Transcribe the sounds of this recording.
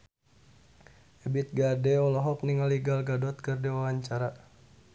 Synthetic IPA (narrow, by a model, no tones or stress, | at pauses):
ɛbit̪̚ɡadɛɔlɔɦɔk̚niŋaliɡalɡadɔt̪̚kɨrdɛwawaɲt͡ʃaɾa